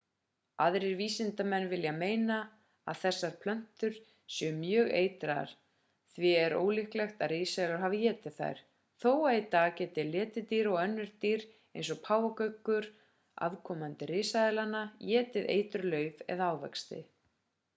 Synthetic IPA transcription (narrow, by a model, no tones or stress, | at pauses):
aðɾɪɾviːsɪnt̪amɛnːvɪljameːjna | a̰ðθɛsːaɾ̥pʰlœn̥t̪ʏɾ̥ | sjœmjœːɣḛːjt̪ɾa̰ɾ̥ | θvɪɛɾo̰ːwlɪhklɛxt̪aðrɪːsaðɪlaɾ̥ɦaːvɪjɛːt̪ɪðθa̰jɾ̥ | θoːwaðit̪aːɣcɛːt̪ɪlɛːt̪ɪt̪iːɾɔɣœnːʏɾ̥t̪iːɾ | ḛjnsɔɣpʰaːwakœɥkːʏɾ̥ | a̰ðkʰɔmant̪ɪɾɪːsaðɪlanajɛːt̪ɪðḛːjt̪ʏɾlœːɥvɛ̰ðaaːwvɛ̰kst̪ɪ̰